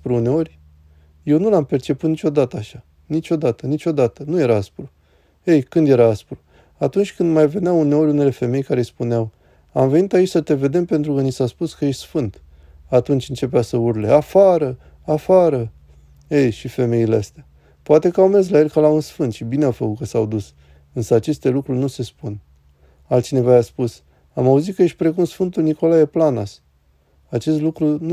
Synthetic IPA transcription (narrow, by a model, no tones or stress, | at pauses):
pɾuune̞o̞rʲ | je̞wnulampert͡ʃe̞put̪nit͡ʃʲo̞d̪at̪əaʃa | nit͡ʃo̞d̪at̪ənit͡ʃo̞d̪at̪ənuje̞ɾaaspɾu | ejkɨnd̪je̞ɾaaspɾu | at̪unt͡ʃʲkɨnd̪majve̞neaune̞o̞ɾʲune̞le̞fe̞me̞jkaɾespuneaw | amve̞nit̪ait͡ʃʲsət̪e̞ve̞d̪e̞mpe̞nt̪ɾukənisaspuskəjeʃt̪ʲsfɨnt̪ | at̪unt͡ʃʲɨnt͡ʃe̞p̬easəurle̞ʔafaɾə | afaɾə | ejʃife̞me̞ileast̪ea | poat̪e̞kəawmez̬laje̞lʲkalaunsfɨnt̪ʃibineawfəkut̪̚kəsawd̪us | ɨnsəat͡ʃe̞st̪e̞lukɾurʲnuse̞spun | alt̪t͡ʃine̞vajaspus | amauzit̪̚kəje̞ʃt̪̚ʲpɾe̞kumsfɨnt̪ulniko̞laje̞planas | at͡ʃe̞st̪lukɾun